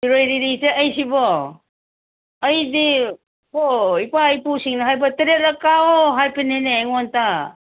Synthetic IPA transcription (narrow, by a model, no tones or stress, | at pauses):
iɾojɾiɾiseʔɐjsibɔ | jdi | oipajpusiŋnɐɦajbɐtiɾeɾakaoɦajpinenejŋonta